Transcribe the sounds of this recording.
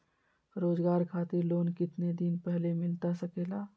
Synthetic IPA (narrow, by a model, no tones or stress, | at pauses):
ɾoːd͡ʒɡaːɾkʰaːt̪ɪɾloːnkɪt̪ned̪inpɛɦlemɪlt̪asəkeːlaː